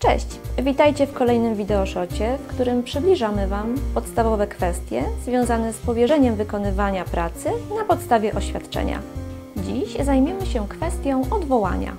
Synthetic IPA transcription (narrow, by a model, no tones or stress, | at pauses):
t͡ʂɛ̰ɕt͡ɕvʲit̪ajt͡ɕɛfkɔlɛjnɘmvʲid̪ɛɔʂɔt͡ɕɛfkt̪uɾɘmpʂɘblʲiʐamɘvampɔt̪st̪avɔvɛkfɛst̪ʲjɛ̰zvʲjɔ̃w̃zanɛspɔvʲjɛʐɛɲɛmvɘkɔnɘvaɲapɾat̪sɘnapɔt̪st̪avʲjɛʔɔɕfʲat̪t͡ʂɛ̰ɲa̰ | d͡ʑiɕzajmʲjɛmɘɕɛkfɛst̪ʲjɔ̃w̃ʔɔd̪vɔwa̰ɲa̰